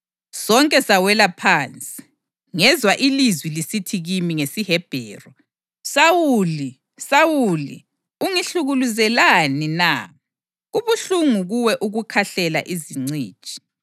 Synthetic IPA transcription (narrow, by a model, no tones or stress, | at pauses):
sɔŋkʼɛsawɛlapʰaːnt͡sʼi̥ | ŋɛzwaʔilizwilisitʰiɣimiŋesiɦɛb̥ʱɛ̰ːrɔ | sawuli | sawulḭ | uŋiɬuɣuluzɛlanina̰ | ɣuβuɬuŋuɣuwɛʔuɣukʰaɬɛla̰ʔiziŋ͡ǀi̥ːt͡ʃʼi̥